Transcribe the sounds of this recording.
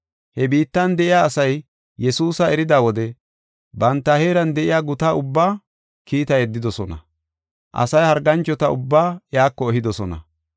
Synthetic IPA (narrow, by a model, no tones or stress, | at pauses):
hɛbiːt̪ːɐnd̪ɛɪjaːsɐj | jɛsuːsɐɛɾɪd̪aːwɔd̪ɛ | bɐnt̪ːɐhe̞ːɾɐnd̪ɛʔɪjaːɡʊt̪aːʊbːaː | kiːt̪ɐjɛd̪ːɪd̪ɔsɔnɐ̰ | ʔɐ̰sɐjhɐɾɡɐnt͡ʃːɔt̪ɐʊbːaːjaːkːɔɛɦɪd̪ɔsɔnɐ̰